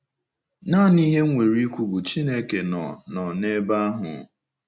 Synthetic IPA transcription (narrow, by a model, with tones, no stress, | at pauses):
na˦˨ni˦ɦe˦ŋʷe˨ɾi˦kʷu˨ɡu˨t͡ʃi˦ne˦ke˨nɔ̰˨nɔ˨ne˦ba˦ɦʊ̰˨